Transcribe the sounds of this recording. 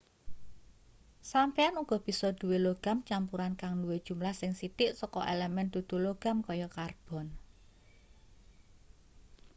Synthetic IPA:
sampeanuɡ̥ɔ̤b̥i̤sɔd̪̥ṳweloɡ̥a̤mt͡ʃampuɾankaŋnuwed̥ʒ̥ṳmlahsɪŋsit̪ɪʔsɔkɔ̰ʔelɛmɛnd̪ud̪̥uloɡ̥a̤mkɔjɔkarb̥ɔ̤n

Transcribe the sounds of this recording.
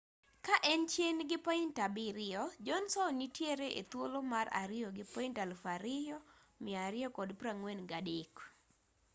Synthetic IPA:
kaʔɛnt͡ʃjenɡɪpɔɪntabɪɾɪɔd͡ʒɔnsɔnitjeɾeʔet̪wolomara̰ɾɪjɔɡɪpɔintalfaɾɪjɔ | mɪaɾɪɔkɔdpɾaŋwenɡadɪk

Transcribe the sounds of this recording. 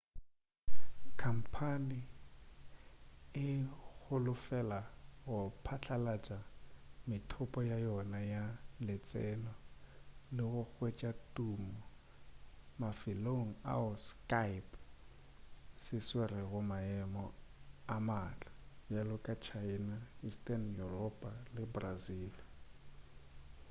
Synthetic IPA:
kʰam̩pʰanɪ | ɪɣʊlʊfɛlaɣʊpʰat͡ɬʰalat͡ʃʼamɪtʰʊpʼɔjajɔnajalɪt͡sʼɛlɔ | lɪɣʊk͡xwet͡ʃʼatʼumɔ | mafɪloŋ̩a̰ʊskapʼ | sɪswerɪɣʊmaɛmɔamat͡ɬʼḁjalʊkʼat͡ʃʰainaistʼanjurɔpʼalɪbraziːl

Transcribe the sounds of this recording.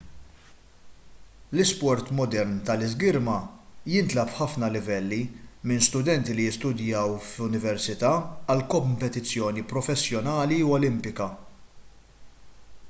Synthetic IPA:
lɪspɔɾt̪mɔd̪ɛɾnt̪ɐlɪzɡɪɾmɐjɪnt̪lɐpħɐfnɐlɪvɛlːimɪnst̪ʊd̪ɛnt̪ilijɪst̪ʊd̪jɐwflʊnɪvɛɾsɪt̪ɐːɐlkɔmpɛt̪ɪt͡sːjɔːnipɾɔfɛsːjɔnɐːliuɔlɪmpɪkɐ

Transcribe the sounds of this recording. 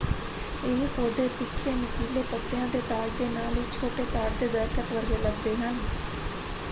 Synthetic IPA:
eːhoːd̪eːt̪ɪkʰːeːnɪkiːleːpət̪ːɪjãːd̪eːt̪aːd͡ʒd̪eːnaːlɪt͡ʃʰoːʈeːt̪aːd͡ʒd̪eːd̪əɾkət̪ʋəɾɡeːləɡ̚d̪eːɦən

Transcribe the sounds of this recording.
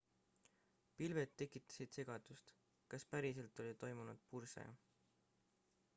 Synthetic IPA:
pilve̞d̪t̪ːe̞kːˑit̪ːˑɑ̥sid̪̥se̞ɡ̥ɑd̪̥ust̪ | kɑspæɾise̞lt̪ˑo̞lʲit̪o̞jmunud̪̥̚pursḛ

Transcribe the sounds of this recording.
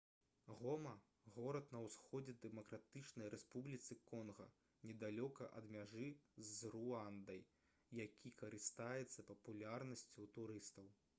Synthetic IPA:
ɣɔmɐ | ɣɔɾɐt̪nɐwsxɔd͡zʲɛd̪ɛmɐkɾat̪ɨt͡ʂnɐjɾʔɛspublʲit̪sɨkɔnɣɐ̰ | nʲɛd̪alʲɔkɐʔɐ̰d̪mʲaʐɨzruand̪ɐj | jːakʲʰikɐɾɨst̪ajɛt̪sːɐpɐpulʲarnɐsʲt͡sʲuwt̪uɾɨst̪ɐw

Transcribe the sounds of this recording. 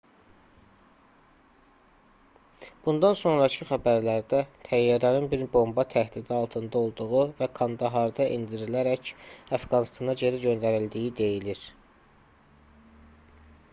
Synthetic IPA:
b̥und̪ɑnso̞nɾɑcʰiχæbæɾlæɾd̪æt̪ʰæjːɑɾɑninbiɾbo̞mbɑt̪ʰæhd̪id̪iɑlˠt̪ʰɯnd̪ɑo̞lˠd̪uʁuvækʰɑnd̪ɑɦɑɾd̪ɑʔḭnd̪iɾilæɾæcæfɡɑnist̪ʰɑnɑɟe̞ɾiɟø̞nd̪æɾild̪ijid̪e̞jiliɾ̥

